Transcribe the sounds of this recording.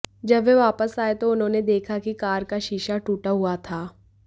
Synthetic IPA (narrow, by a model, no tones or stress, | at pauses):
d͡ʒɐbʋeʋaːpəsaːet̪oʊnɦõːned̪eːkʰakikaːɾkaʃɪʃaʈuːʈaɦʊat̪ʰaː